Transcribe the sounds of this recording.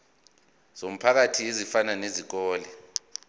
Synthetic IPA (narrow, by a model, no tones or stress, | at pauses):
z̥om̩pʰak̬atʰiezifananezik̬ɔːlɛ